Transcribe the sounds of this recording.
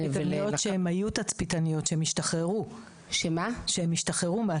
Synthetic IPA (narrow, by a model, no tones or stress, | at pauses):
anjoʃeemajut̪at͡spitanijo̞tʃeemiʃtaχʁeʁu | ʃemaʃehemiʃtaχeʁumea